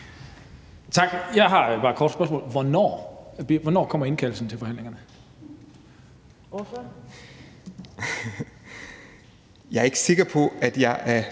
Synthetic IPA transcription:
t͡sʰɑ̈ɡ̥jɑ̈ɪɦɑ̈b̥ɑ̈ːkʰɒ̰ːd̥spb̥ɶɐs̬mɔ̰ːlʋɒnɒ̰ːb̥iʋɒnɒ̰ːkʰɒ̽m̰ɐe̝nkʰæl̩sn̩t͡sʰe̝lfɒ̽ɦænle̝ŋɐnə | jɑ̈ɐe̝ɡ̥əse̝ɡ̥ɐpʰɔ̽æd̥jɑ̈ɪʔæɐ

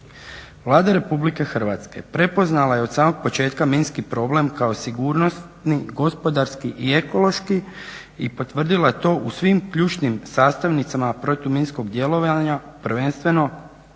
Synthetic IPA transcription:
ʋlˠaːd̪aɾe̞publike̞xr̩ʋat̪ske̞̰pɾe̞po̞znalˠaje̞od̪saːmo̞ɡ̥̚po̞t͡ʃe̞ːt̪kaminskipɾo̞ble̞mkao̞siɡuːɾno̞st̪niɡo̞spo̞d̪aɾskiʔie̞ko̞lˠo̞ʃki | ipo̞t̪ʋr̩d̪ilat̪o̞ːʔusʋimkʎuːt͡ʃnimsaːst̪aʋnit̪samapɾo̞t̪uminsko̞ɡd̪je̞lˠo̞ʋaɲapr̩ʋenst̪ʋe̞no̞

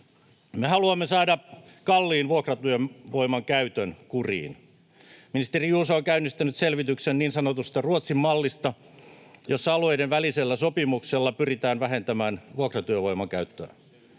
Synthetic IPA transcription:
mehɑluɑmːesɑːdɑkɑlːiːnʋuokrɑt̪yømʋoimɑŋkæyt̪ønkurḭːn | minist̪erijuːsɑoŋkæynːist̪ænyt̪selʋit̪yksenniːnsɑnot̪ust̪ɑruot̪simːɑlːist̪ɑ | josːɑɑluejdenʋæliselːæsopimukselːɑpyrit̪æːnʋæɦent̪æmæːnʋuokrɑt̪yøʋo̞jmɑŋkæyt̪ːøː

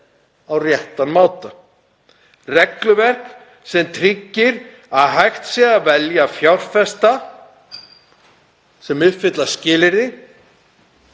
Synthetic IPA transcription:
awrjɛht̪anmaːwt̪a | rɛklʏvɛr̥k | sɛmt̪ʰɾicːɪɾ | aðɦajxt̪sjɛɣavɛljafjawr̥fɛst̪a | sɛmʏfɪt̪lascɪːlɪɾɪ

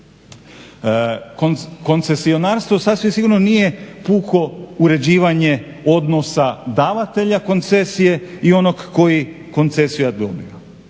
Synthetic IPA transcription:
koko̞nt̪se̞sio̞naːɾst̪ʋosasʋimsiɡuɾnonije̞puːko̞uɾe̞d͡ʑiːʋaɲe̞ | o̞d̪no̞sad̪aːʋat̪e̞ʎako̞nt̪sesije̞io̞noɡːo̞ji | ko̞nt̪se̞sijad̪o̞̰bḭa

